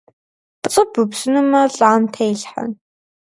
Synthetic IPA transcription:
pt͡sʼɨbɨpsɨnɨmɐɬʼaːmtʰejɬħa̰n

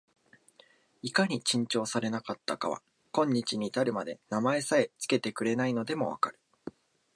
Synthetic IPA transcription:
ikaɲ̟it͡ɕĩɲ̟t͡ɕo̞ːsaɾe̞nakat̪ːaka̰βa̰ | kõ̞ɲ̟ːit͡ɕiɲ̟iːt̪aɾɯ̟mad̪e̞̰namae̞sae̞t͡sɨ̥ke̞t̪e̞kɯ̟ɾe̞naino̞d̪e̞mo̞̰βa̰kaɾɯ̟̥

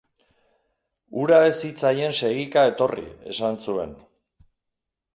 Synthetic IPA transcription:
uɾaesit͡saje̞nse̞ɣikae̞t̪o̞rḭe̞̰sansue̞n

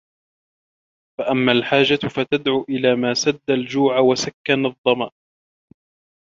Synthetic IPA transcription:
faʔamːaːlħaːd͡ʒafat̪ad̪ʕuːʔɪlaːmaːsad̪ːald͡ʒuːʕawasakːanɑðˤːɑmaːʔ

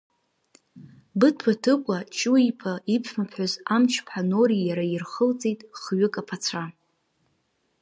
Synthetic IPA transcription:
bɨtʰwatʰɨkʷʼat͡ʃʼuipʰaipʰmapʰħʷʊzamt͡ʃʰpʰħanoɾijaɾairχəlt͡sʼejtʼχɥɪkʼapʰat͡sʷʰa

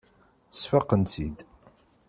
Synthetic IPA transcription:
sħəqːənt̪ḭd̪

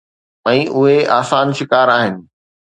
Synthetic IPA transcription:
ɛ̃ːʔʊɦeaːsaːnʃɪkaːɾaːɦɪnɪ̆

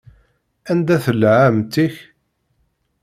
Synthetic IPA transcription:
ænd̪æθəlʕamt̪iç

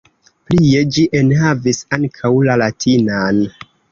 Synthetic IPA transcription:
plied͡ʒiʔenhavisaŋkʰawlalatʰinan

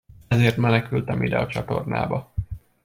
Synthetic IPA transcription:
ɛzeːrt̪mɛnɛkylt̪ɛmʔid̪ɛɒt͡ʃɒt̪o̞̰rna̰ːbɒ

